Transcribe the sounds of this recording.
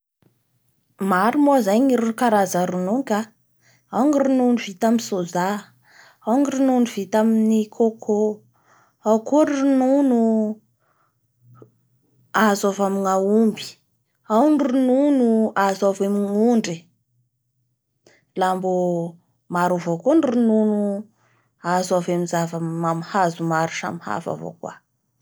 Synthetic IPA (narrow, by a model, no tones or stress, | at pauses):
maɾumozajɲiɾunkaɾazəɾunuŋka | awŋirununivit̪amisoza | awŋirununuvit̪aminikʰokʰo | awkuɾununu | azavamiŋaumbi̥ | awŋirununuazavemiŋuɳɖ͡ʐi | lambu | maɾuvokunrununu | azaveminzavamamhazumaɾuʃa̰miha̰fa̰vo̰kwa̰